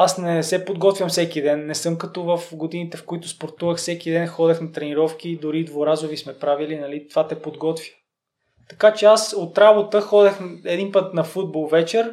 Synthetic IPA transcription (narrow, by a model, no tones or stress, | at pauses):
asnɛsɛpod̪ɡɔt̪vʲjɐmfsɛkid̪ɛnːɛsɤmkɐt̪ɔvɐfɡod̪init̪ɛfkoit̪ʊspoɾt̪uvəxsɛk̟id̪ɛnxɔd̪ɛxnɐt̪ɾɛniɾɔfkid̪ʊɾid̪voɾazʊvismɛpɾavilinɐlit̪ovat̪ɛpod̪ɡɔt̪vʲjə̥ | t̪ɐkat͡ʃɛasot̪ɾabot̪əxɔd̪ɛxɛd̪inpɤt̪nɐfud̪̚bɔlˠvɛt͡ʃɛɾ